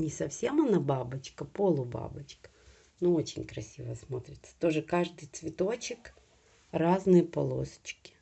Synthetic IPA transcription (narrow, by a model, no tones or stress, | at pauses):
nʲɪsɐfsʲemɐnababɨt͡ɕkəpo̞lˠʊba̰bɨt͡ɕkə̥ | nuot͡ɕɪ̰nʲkɾɐsʲivəsmot̪ɾʲɪt̪sə̥t̪o̞ʐɨkaʐd̪ɨjt̪svʲɪt̪o̞t͡ɕɪk | raznɨjəpɐlˠo̰sə̥t͡ɕkʲɪ̥